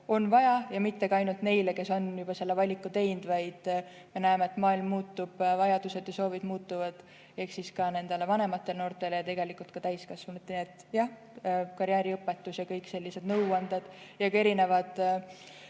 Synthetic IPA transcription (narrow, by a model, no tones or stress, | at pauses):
o̞nvɑjɑjɑmit̪ːe̞kɑɑjnult̪ne̞jleke̞so̞njub̥ɑse̞lːevɑlʲikːˑut̪e̞jnd̪̥vɑjd̪̥ | me̞næemeet̪mɑːilmːuːt̪ːub̥vɑjɑd̪̥use̞d̪jɑso̞ːvid̪̥muːt̪ːˑuvɑd̪̥ | e̞hksiskɑne̞nd̪̥elevɑne̞mɑt̪ˑːe̞lno̞ːrt̪ˑe̞lejɑt̪e̞ɡe̞likult̪̚kɑt̪æjskɑsvunut̪ːned̪̥jɑh | kɑɾjæːɾiɤpːˑet̪ːˑusjɑkɤjkse̞lʲːise̞d̪̥nɤwɑnd̪̥ɑd̪̥jɑkɑe̞ɾine̞vɑd̪̥